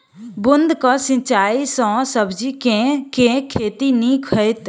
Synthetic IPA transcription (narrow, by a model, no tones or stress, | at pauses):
bʊnd̪kãsɪ̃t͡ʃaːisɔ̃səbʱd͡ʒikẽkẽkʰeːt̪inikʰəɪt̪